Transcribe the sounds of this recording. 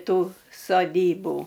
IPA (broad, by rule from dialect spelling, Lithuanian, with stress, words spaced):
ˈtuː soːˈdʲiːbuː